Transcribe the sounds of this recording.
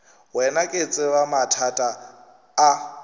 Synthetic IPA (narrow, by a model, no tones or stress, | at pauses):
wɛnakʼet͡sʼɪwamatʰatʼaː